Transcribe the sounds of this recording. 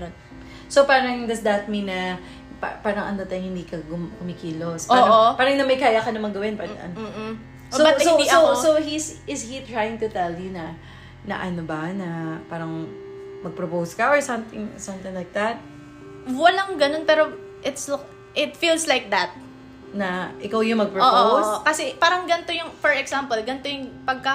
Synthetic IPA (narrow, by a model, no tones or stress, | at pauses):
sopaːɾɐŋd̪ɐsd̪ɐt̪̚mĩnːɐ | pa̰paːɾɐŋʔɐ̰nd̪ɐt̪ɐjŋhɪnd̪iːkɐɡʊmkʊmɪkiːlospaopaːɾɐŋnɐmɐjkaːjɐkɐnɐmɐŋɡɐwɪnpan̰ʔɐ̰n̩ː | soɐsoosowhisɪshit̪ɹajɪ̃ŋt̪ʊt̪ɛljunɐ | nɐ̰ʔɐnobɐnɐpaːɾɐŋ | mɐɡ̚pɹopowskɐʔɔɹsɐmt̪ɪŋsɐ̃mt̪ɪ̃ŋlajk̚d̪ɐt̪̚ | wɐlaŋɡɐnonpɛːɾo | ʔɪt̪s | ʔɪt̪fiːlslajk̚d̪ɐt̪̚ | nɐʔɪkawjʊŋmɐɡ̚pɹoopʔoowskɐsɛpaːɾɐŋɡɐnt̪ojʊŋfɔɹɛɡsampɐlɡɐnt̪ojʊŋpɐɡ̚kɐ